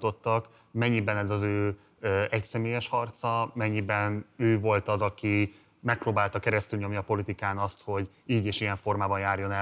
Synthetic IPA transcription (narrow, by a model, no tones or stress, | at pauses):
t̪o̞t̪ːɒk | mɛɲːibɛnɛzɒzøː | øɛcsɛmeːjɛʃhɒrt̪sɒmɛɲːibɛnøːvo̞lt̪ɒzɒki | mɛk̚proːbaːlt̪ɒkɛɾɛst̪ylɲo̞mniɒpo̞lit̪ikaːnɒst̪ho̞ɟ | iːɟeːʃijɛɱfo̞rmaːbɒnjaːrjo̞nɛ